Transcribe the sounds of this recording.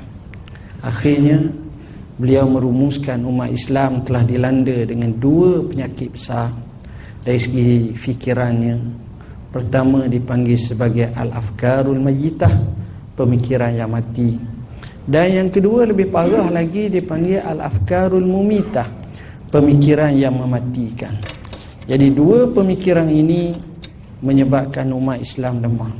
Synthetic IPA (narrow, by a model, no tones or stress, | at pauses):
axirɲa | bəliawmə̃ɾumuskanumat̪islamt̪əlahdilandədəŋãnduəpəɲakɪt̪̚bəsar | daɾisəɡifikiɾanɲã | pərt̪amãdipaŋɡilsəbaɡajʔala̰fkaɾulmad͡ʒit̪ah | pəmikiɾanjaŋmãt̪i | danjaŋkəduələbɪhpaɾahlaɡidipaŋɡiʔa̰la̰fkaɾulmumĩt̪ah | pəmikiɾanjaŋmə̃mãt̪ikan | d͡ʒadiduəpəmikiɾanini | mə̃ɲəbap̚kanumat̪islamləmah